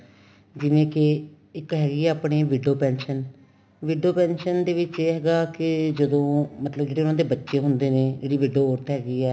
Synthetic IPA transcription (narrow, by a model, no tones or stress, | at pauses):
d͡ʒɪʋẽːkɪ | ɪkɦɛːɡiːɛːaːpɽeːʋɪɖoːpɛːnʃən | ʋɪɖoːpɛːnʃənd̪eːʋɪt͡ʃeːɦɛːɡaːkɪd͡ʒəd̪õːmət̪ləbd͡ʒeːɽeːʊnãːd̪eːbətːʃeːɦʊnd̪eːneːd͡ʒeːɽiːʋɪɖoːoːɾt̪ɦɛːɡiːɛː